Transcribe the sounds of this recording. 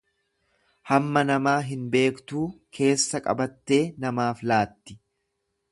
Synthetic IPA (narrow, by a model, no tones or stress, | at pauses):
hɐmːɐnɐmaːɦɪnbe̞ːkt̪uːkʰe̞ːsːɐkʼɐ̰bɐt̪ːe̞ːnɐmaːflaːt̪ːɪ̥